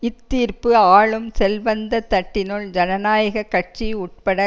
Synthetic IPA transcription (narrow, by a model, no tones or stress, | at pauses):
ɪt̪ːiːɾpɯaːɭɯmsɛlʋɐnd̪ɐt̪ɐʈːɪnɔɭd͡ʒɐnɐnaːjɐɣɐkːɐʈ̚t͡ʃiʊʈ̚pɐɽɐ